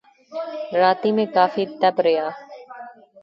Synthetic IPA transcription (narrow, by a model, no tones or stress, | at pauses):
ɾaːt̪iːmẽkaːfiːt̪ɛbɾɪjaː